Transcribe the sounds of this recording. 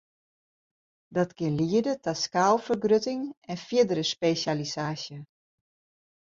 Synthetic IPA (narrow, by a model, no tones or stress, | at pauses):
dɔtkɪnliədətaskaːlˠfərɡrøtɪŋɛnfjɪdəɾəspesalisaːsjə